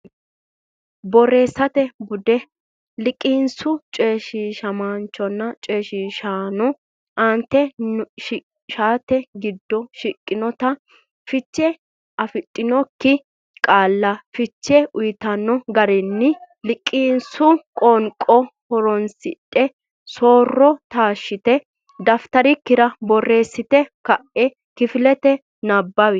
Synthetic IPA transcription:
bɔɾeːsɐt̪ɛbʊd̪ɛ | lɪkʼiːnsʊt͡ʃʼeːʃiːʃɐmaːnt͡ʃːɔnːɐt͡ʃʼeːʃiːʃaːnɔ | ʔɐnt̪ːɛʃ | ʃaːt̪ɛɡɪd̪ːɔʃɪkʼːɪnɔt̪ɐ | fɪt͡ʃːɛ | ʔɐfɪt̪ʼːɪnɔkːɪ | kʼaːlːɐfɪt͡ʃːɛʔʊjɪt̪ɐnːɔɡɐɾɛnːɪ | lɪkʼːiːnsʊkʼɔːŋkʼɔhɔɾɔnsɪt̪ʼːɛ | soːrːɔt̪aːʃːɪt̪ɛ | d̪ɐft̪ɐɾɪkːɪɾɐbɔrːe̞ːsːɪt̪ɛkɐʔɛ | kɪfɪlɛt̪ɛ | nɐbːɐwɪ

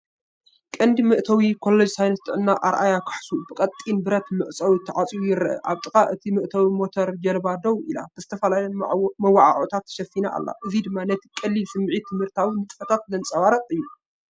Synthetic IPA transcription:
kʼɐnd̪imɨʔt̪ʰɐwikʰo̞lːed͡ʒsajnɐst̪ʰʼɨʕɨnːaʔaɾʔajakʰɨ̥ħsubɨkʼɐt̪ʼːinbɨɾɐt̪mɨʔt͡sʼɐwit̪ʰːɐʕat͡sʼiwujɪɾʔɐ̰ʔa̰βt̪ʼɨkʼaʔɨt̪ʰimɨʔt̪ʰɐwimo̞t̪ʰoɾd͡ʒɐlbad̪ɐwʔila̰b̥ɨzɨt̪ʰɐfɐlalɐnmɐwːaʕa̰ʕot̪ʰat̪ʰːɐ̥ʃɐfːinaʔa̰lːa̰ʔɨzid̪ɨmːanɐt̪ʰikʼɐlːilsɨmːʕit̪ʰɨmhɨɾt̪ʰawinɨt̪ʼɨfɐt̪ʰat̪̚lɐnt͡sʼɐwaɾɐqʼɨjːu

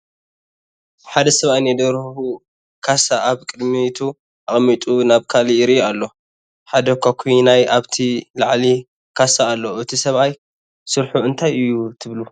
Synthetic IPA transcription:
ħad̪ɐsɐβajnɐd̪ɐɾhu | kʰasaʔaβkʼɨd̪mit̪ʰu | ʔaχʼmit̪ʼunaβkʰaliɾijalːo̞ | ħad̪ɐkʰakʷʰijnajaβt̪ʰilaʕli | kʰasaːlːo̞ɨt̪ʰisɐβaj | sɨɾħuɨnt̪ʰajɨjːut̪ʰɨβlu

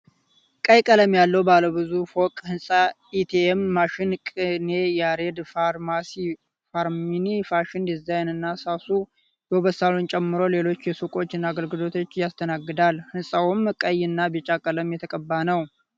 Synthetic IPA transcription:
kʼəjkʼələmjalːəwbaləwbɨzufokʼhɨnsʼa | it̪ʰemːaʃɪnkʼɨnejaɾed̪faɾmasi | faɾminifaʃɪnd̪izajnɨnːasasu | joβəsalunt͡ʃʼɛmːɨɾo̞le̞lo̞t͡ʃːjɛsukʼo̞t͡ʃːɪnːaːɡəlɡɨlo̞t̪ʰo̞t͡ʃːjast̪ʰənaɡːɨd̪alhɨnsʼawʊmkʼəjɨnːabɛt͡ʃʼakʼələmjɛt̪ʰəkʼəbːanəw

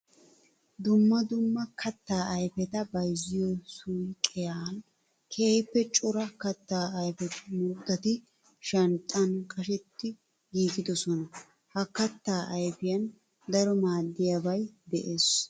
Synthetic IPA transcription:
d̪ʊmːɐd̪ʊmːɐkʰɐt̪ːaːɐjfɛt̪ɐbɐjzɪjɔsujkʼːɛjaːn | kʰeːjɪpːɛt͡ʃʼʊɾɐkɐt̪ːaːɐjfɛt̪ɪmuːt̪ːɐt̪ɪ | ʃɐnt̪ʼːɐnkʼɐʃɛt̪ːɪ | ɡiːkɪd̪ɔsɔnɐ | hɐkɐt̪ːaːʔɐjfɪjɐn | d̪ɐɾɔmaːd̪ːɪjabɐjd̪ɛʔeːs

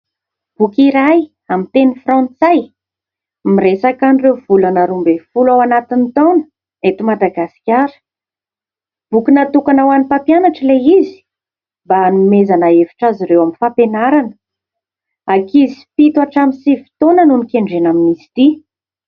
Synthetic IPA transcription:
b̥ukiɾaj | amint̪enifrɑ̃nt͡saj | miresakanirewvulanaɾumbefulawanat̪init̪onə̥ | et̪umad̪aɡasi̥kʲaɾə̥ | b̥ukinat̪ukanawanipapjanaʈ͡ʂəleizi̥ | banumezanaevi̥ʈ͡ʂaziɾewaminfapenaɾanə̥ | akizipit̪waʈ͡ʂamisivi̥t̪onənunikeɳɖ͡ʐenaminisi̥t̪i

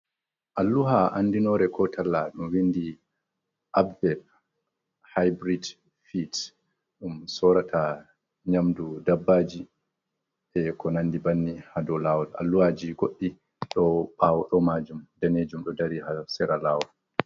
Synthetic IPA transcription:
ʔalːuɦaʔanːdinɔɾɛkʰɔtʰalːaɗumwindi | ʔabvɛl | hajbɾid | fit | ɗumsɔɾatʰa | ɲamdudabːaːd͡ʒi | ɛkʰɔnanːdibanːihadɔlaːwɔla̰lːuhad͡ʒiɡoɗːi | ɗɔɓawɔɗɔmaːd͡ʒumdaneːd͡ʒumɗɔdaɾihasɛɾalawɔl

